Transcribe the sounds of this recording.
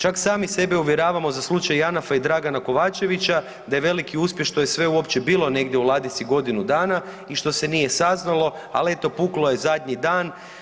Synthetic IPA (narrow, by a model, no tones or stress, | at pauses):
t͡ʃaksaːmise̞beuʋjeɾaːʋamo̞zaslˠut͡ʃajanafaid̪ɾaɡanako̞ʋaːt͡ʃe̞ʋit͡ɕa | d̪ajeʋe̞likiuspʲje̞xʃt̪o̞jesʋe̞uopt͡ɕebiːlˠo̞ne̞ɡd̪jeulˠaːd̪it̪siɡo̞d̪inud̪aːna | iʃt̪o̞se̞nije̞saznalˠo̞ | a̰le̞t̪o̞puklˠo̞je̞zad̪ʲɲid̪aːn